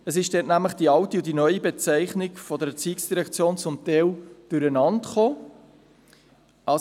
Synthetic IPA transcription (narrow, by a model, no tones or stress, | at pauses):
əs̬ɪʃd̥ɛːtnæmləχd̥iɑwtiʊdinœʏibet͡sɛɪχnɪkfɔd̪əɾət͡siːksd̥iɾɛkt͡sjoːnt͡sʊmt̪ɛld̥ʉɾənɑntχoː | ɑ